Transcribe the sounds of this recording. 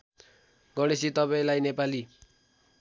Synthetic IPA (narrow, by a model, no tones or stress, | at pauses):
ɡʌɽ̃esit̪ʌpaẽlajnepali